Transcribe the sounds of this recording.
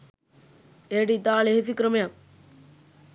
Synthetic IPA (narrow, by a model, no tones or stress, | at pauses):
eːɖit̪aːleɦs̬ikɾəmja